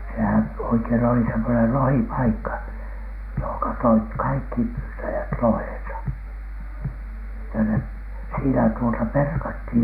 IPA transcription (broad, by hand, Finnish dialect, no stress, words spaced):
sehæn oikein oli semːonel lohipɑikːɑ johoŋkɑ toit kɑikːi pyːtæjæt lohẽːsɑ etːæ ne siːnæ tuotɑ perkɑthiˑj